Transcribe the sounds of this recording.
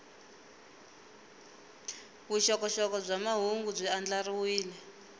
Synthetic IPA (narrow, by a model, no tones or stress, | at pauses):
βuʃɔkɔʃɔkɔb͡ʐamaɦuŋɡub͡ʐʷiand͡ɮariwiːlɛ